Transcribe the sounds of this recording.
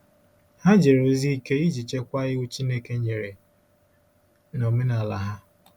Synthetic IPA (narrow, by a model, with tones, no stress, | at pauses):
ha˦d͡ʒe˨ɾo˨zi˦i˦ke˦i˦d͡ʒi˨t͡ʃe˦kʷa˦ɣɪ˦ʊ˦t͡ʃi˦ne˦ke˦ɲe˨ɾe˨ | nɔ˨mɪ˦na˨la˨ɦa˦